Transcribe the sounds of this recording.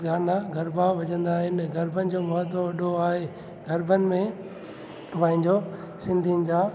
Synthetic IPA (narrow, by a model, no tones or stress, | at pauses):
ɡaːnaɡʱɐɾbʱaʋɐɲə̃nd̪aːɦɪnɡʱɐɾbʱənɪ̆d͡ʑoːmɐɦət̪oʋɐɗoaːɦe | ɡɐɾbʱənɪ̆mẽ | ʋãːɪ̃ɲd͡ʑoː | sɪ̃nd̪ʱiənɪ̆d͡ʑaː